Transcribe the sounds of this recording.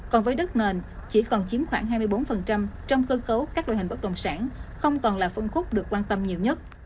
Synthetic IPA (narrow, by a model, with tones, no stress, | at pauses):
kɔ˨˩nvəː˨˦jɗə˦˥t̚ne˨˩nt͡ɕi˧˩kɔ˨˩nt͡ɕi˨˦mxwaː˧˩ŋɦaː˧jmɨ˧jɓo˨˦nfə˨˩nt͡ɕa˧mt͡ɕɔ˧wŋ͡mxɨː˧kə˨˦wkaː˦˥k̚ɗo̰˧˩jï˨˩ŋ̟ɓə˦˥t̚ɗə̰˧˨wŋ͡msaː˧˩nxə˧wŋ͡mkɔ˨˩nlaː˨˩fə˧nxʊ˦˥k͡p̚ɗɨ˨˩əkːwaː˧nt̪ə˧mɲi˨˩əwɲə˦˥t̚